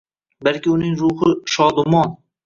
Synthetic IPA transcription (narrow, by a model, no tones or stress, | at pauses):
balkʲɪʊnɪŋɾʊhɪʃɒd̪ʊmɒn